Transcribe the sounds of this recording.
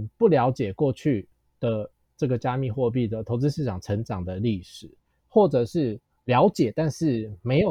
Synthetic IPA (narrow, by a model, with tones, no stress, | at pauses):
pu˥˩ljɑ˧˥ʊt͡ɕjɛ˨˩kwɔ˥˧t͡ɕʰy˥˩ | d̪̥ə˨˩ | ʈ͡ʂə˥˩ɡə˩t͡ɕja˦mi˥˧xwɔ˥˧p̬i˥˩d̪ə˩t̪ʰo˧˥ʊt͡sɻ̩˥ʂɻ̩˥˩ʈ͡ʂʰɑ˨˩ŋʈ͡ʂʰə˧˥ŋʈ͡ʂɑ˨˩ŋd̪ə˩li˥˩ʂɻ̩˨˩˦ | xwɔ˥˩ʈ͡ʂɤ˨˩ʂɻ̩˥˩ | ljɑ˧˦˥ʊt͡ɕjɛ˨˩t̪a˥˧nʂɻ̩˥˩me˧˥ɪjo˨˩